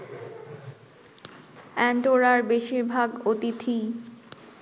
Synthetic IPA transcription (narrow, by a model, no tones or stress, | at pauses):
ɛnʈoɾaɾbeʃiɾbʱaɡot̪it̪ʰi